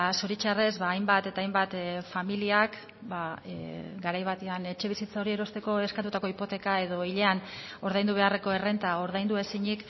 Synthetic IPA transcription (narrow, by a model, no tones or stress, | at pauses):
so̞ɾit͡ʃarezβaːjmbat̪e̞t̪aːjmbat̪familiak | ba | ɡaɾajβat̪eane̞t͡ʃe̞β̞isit͡sao̞ɾie̞ɾo̞st̪e̞ko̞e̞skat̪ut̪ako̞ipo̞t̪e̞kae̞ðo̞iʎe̞ano̞ɾð̞ajnd̪uβ̞e̞are̞ko̞e̞re̞nt̪ao̞ɾðajnd̪ue̞siɲik